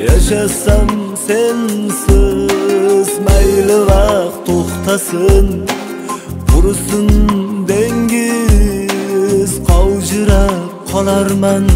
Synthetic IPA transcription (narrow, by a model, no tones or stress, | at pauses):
jɑʃɑsɑmsensɪ | zmɑjləbɑqt̪ʰoqt̪ɑsən | bʊɾəsənd̪eŋɡʲe | zqʰɑwʒəɾɑp̚qʰɑlˠɑɾmɑn